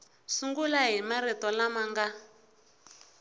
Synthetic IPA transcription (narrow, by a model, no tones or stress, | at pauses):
suŋɡulaɦimaɾit̪ɔlamaŋɡa